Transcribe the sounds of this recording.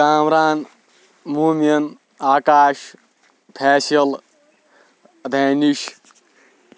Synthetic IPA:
aːmɾaːn | muːmjɐn | aːkaːʃ | pʰɛːsɐl | d̪ʱɐːniʃ

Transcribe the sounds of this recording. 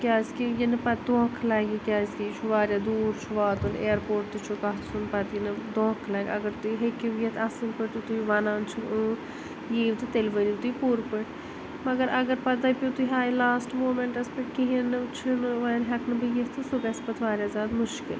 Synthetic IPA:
kʲaːzkijenɨpɐt̪̚d̪õːkʰlaːɡikʲaːzkʲit͡ʃʰuʋaːɾʲjaːd̪uːɾt͡ʃʰuʋaːt̪uneːɾpoːɾʈ̚t̪ut͡ʃʰukaɦ̪sunpɐt̪jinɨd̪õːkʰlaːɡʲɐ̰ɡəɾt̪uiɦekiʋjet̪ʰasɨnpɨɽt̪ut̪uiʋɐnaːnt͡ʃʰuu | jeːʋt̪ɨt̪elʋəɾiʋt̪uipuɾpɨɽ | mɐɡəɾʔɐɡəɾpɐt̪apʲut̪uiɦaːjlaːsʈmoːmeɳʈɐspɨʈkiɦinɨt͡ʃʰinʋɐnɦɐknɨbɨjet̪t̪ʰɨsukɐspɐt̪ʰʋaːɾʲjaːzʲaːd̪mʊʃkɪ̰l

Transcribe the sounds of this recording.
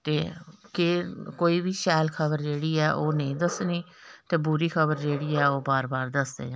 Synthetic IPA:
t̪eːkekoːiːbiːʃɛːlkʰəbəɾd͡ʒeːɽiːɛːʔoːnəĩːd̪əsniː | t̪eːbuːɾiːkʰəβəɾd͡ʒeːɽiːɛːoːbaːɾbaːɾd̪əsd̪ḛːãː

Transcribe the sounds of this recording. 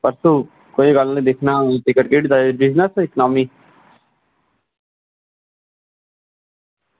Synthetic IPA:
pəɾsuː | koːiːɡəlnẽːd̪ɪkʰnaːʈ̪ɪkːəʈkeːɽid̪aebɪd͡ʒnəsɪkənaːmiː

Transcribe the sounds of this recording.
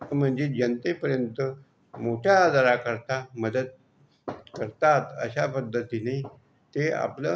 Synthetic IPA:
m̤əɳd͡ʑed͡ʑənt̪epəɾjənt̪ə | moʈʰjaːd̪aɾakəɾt̪aməd̪ət̪ | kəɾt̪at̪ə̰ɕapəd̪ʱːət̪ine | t̪ea̰plə

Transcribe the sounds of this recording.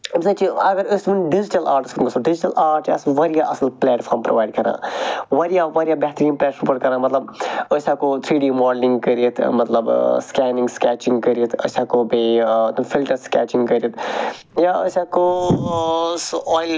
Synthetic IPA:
bsãt͡ʃʰiɐɡɐɾəsʋɐnɖid͡ʒiʈɐlaːɾʈskt̪mɐsoɖɪd͡ʒʈɐlaːɾʈɐ̰sʋɐɾijaʔɐsɐlplɛːʈfʰaːɾmpɾo̰ʋaːiɖkɐɾã̰ːʋɐɾijaʋɐɾijabɛɦt̪ɾimpɾɛːspəɾʈkɐɾãːmɐt̪lɐb̚əsaːkot̪ʰɾiːɖiːmɔːɖlĩŋɡkəɾiət̪ʰmɐt̪lɐbskɛːnɪ̃ŋɡskɛːt͡ʃɪ̃ŋɡkəɾiət̪ʰə̰saːkobet̪ɐmfilʈɐɾskɛ̰ːt͡ʃĩŋɡkəɾijət̪ʰ | jaəsaːko | sɔːjl

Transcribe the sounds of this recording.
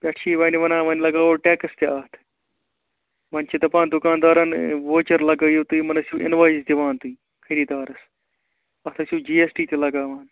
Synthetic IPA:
pʲɐʈʰʃʰiːʋɐːniʋɐnãːʋɐnlɐɡaːoːʈeːkɐst̪eɐɦt̪ʰ | ʋɐnt͡ʃʰit̪ɐpaːnd̪ʊkãːnd̪aːɾɐnʋoːt͡ʃɐɾlɐɡɐjot̪uiːmɐnɐsjuʔɪ̰nʋaːizd̪iʋaːnt̪uiː | kʰɐɾiːd̪aːɾɐs | ɐt̪ʰɐsjuːd͡ʒiːesʈiːt̪ʰʲelɐɡaːʋaːn

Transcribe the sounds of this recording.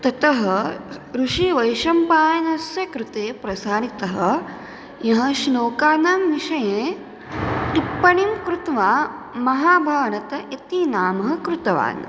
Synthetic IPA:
t̪ɐt̪ɐɦɐɾuʃiʋɐjʃɐmpaːjɐnɐsjɐkɾut̪eːpɾɐsaːɾit̪ɐɦɐ̆ | jɐɦɐ̆ʃnoːkaːnaːmʋiʃɐjẽː | t̪ipːɐɳimkɾut̪ʋaːmɐɦaːbʱaːnɐt̪ɐʔet̪inaːmɐɦɐ̆kɾut̪ɐʋa̰ːn

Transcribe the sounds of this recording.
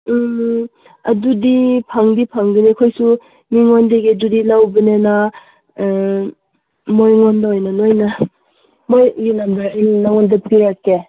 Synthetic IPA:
ɐdudipʰaŋdipʰaŋbinikʰɔjsu | miŋondeɡedudilawbinena | mojŋɔndaojnanojna | mojlinamdaɾnnaŋɔndapkiɾakːe

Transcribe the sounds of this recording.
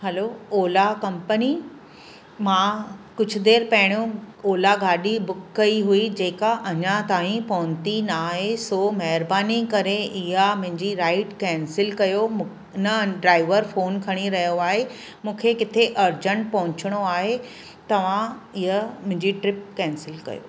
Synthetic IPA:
hɐlooːlakɐ̃mpəni | mãːkʊd͡ʑʱʊ̆d̪eːɾpɐɦɪɽ̃jõoːlaɡaːɗibʊkːɐiɦuid͡ʑeːkaʔɐɲãt̪aːɦĩpɐɦʊ̃ɲt̪inaːɦesoːmɐɦɪɾbaːnikɐɾeʔɪɦamʊ̃ɦɪ̃ɲd͡ʑiɾaːɪʈkɛ̃ːnsɪlkɐjom | nɐɖɾaːɪʋəɾfoːnkʰɐɽ̃iɾɐɦjoaːɦe | mũːkʰekɪt̪ʰeʔɐɾd͡ʑəɳʈ̚pɐ̃ɦʊ̃ɲt͡ɕɪɽ̃oaːɦe | t̪ɐʋ̤ãɪɦəmʊ̃ɦɪ̃ɲd͡ʑiʈɾɪp̚kɛ̃ːnsɪlkɐ̰jo̰ː

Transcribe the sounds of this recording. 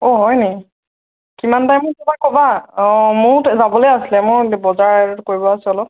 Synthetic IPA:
ɔɦɔjnɛ | kimantajmʊɹkɛbakɔba | mʊɹzabɔlojasilɛmʊɹbɔzaɹkoɹibɔasɛɔlɔp̚

